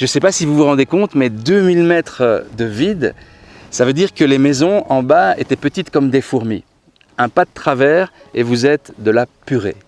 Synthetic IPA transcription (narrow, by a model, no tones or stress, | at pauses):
ʒəsɛpasivuvuʁɑ̃d̪ekɔ̃t̪mɛd̪ømilmɛt̪χəd̪əvid̪ | savød̪iʁkəlemɛzɔ̃ɑ̃baet̪ɛpət̪it̪kɔmd̪efuʁmḭ | ɛ̃pad̪ət̪χavɛːʁ | evuzɛt̪d̪əlapyʁḛ